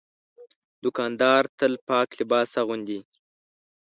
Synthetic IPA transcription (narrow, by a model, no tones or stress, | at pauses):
d̪ʊkɑnd̪ɑːɾt̪əlpɑːklɪbɑsaɣund̪i